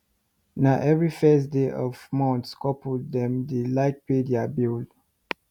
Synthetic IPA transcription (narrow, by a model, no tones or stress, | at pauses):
naʔɛvɹifɛsdeʔɔvmɔ̃ntskɔpddɛ̃mdəlaɪk̚pediabil